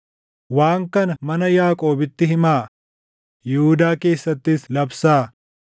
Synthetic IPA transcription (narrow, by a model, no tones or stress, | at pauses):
waːŋkɐnɐmɐnɐjaːkʼo̞ːbɪt̪ːɪɦɪmaː | jɛhʊd̪aːke̞ːsːɐt̪ːɪslɐbsaː